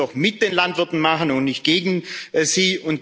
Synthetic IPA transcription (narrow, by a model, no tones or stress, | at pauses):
ɔχmɪt̚d̥eːnlantv̥ɪɐtn̩maχən̩ʊntnɪçt̚ɡ̥eːɡŋ̩ziːʊnt